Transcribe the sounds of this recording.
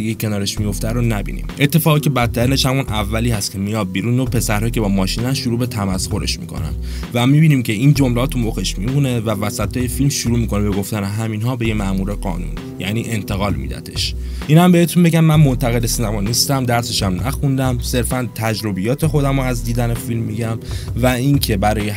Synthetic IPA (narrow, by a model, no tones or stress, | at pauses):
iɡecʲʰe̞nɒːɾe̞ʃmijo̞ft̪æɾonæbḭnḭmʔe̞t̪ʰːe̞fɒːɣicʰe̞bæt̪ʰːæɾine̞ʃhæmunʔævːæliːhæst̪cʰe̞mijɒːd̪̚biːɾunopʰe̞sæɾɦɒːicʰe̞bɒːmɒːʃiːnæsʃuɾuːbe̞t̪ʰæmæsxo̞ɾe̞̰ʃmḭːkʰo̞̰næ̰n | væmibiːniːmcʰe̞ind͡ʒomleɒːt̪ʰumoɣeʃmimune̞vævæsæt̪ʰːɒːje̞filmʃuɾuːmiːkʰo̞nebe̞ɡo̞ft̪æne̞ɦæmiːnɦɒːbe̞jemæʔmuːɾe̞ɢɒ̰ːnṵn | jæ̰niːʔe̞nt̪ʰe̞ɣɒːlmḭd̪æ̰t̪ʰe̞ʃʔiːnæmbe̞het̪ʰunbe̞ɟæmːænmo̞nt̪ʰæɣe̞d̪esinæmɒːnist̪æmd̪æɾseʃæmnʔæ̰xund̪æmse̞ɾfænt̪ʰæd͡ʒɾo̞bijɒːt̪ʰe̞xo̞d̪æmoæzd̪iːd̪æne̞filmːiɟæmvæincʰe̞bæɾɒːje